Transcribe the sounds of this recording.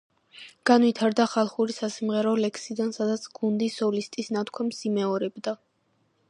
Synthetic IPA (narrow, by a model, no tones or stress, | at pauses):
ɡ̥anwit̪ʰaɾd̪aχalˠχuɾisasimʁɛɾɔlɛksid̪ansad̪at̪sʰɡ̥und̪isɔlist̪ʼisnat̪ʰkʰwamsimɛɔɾɛbd̪a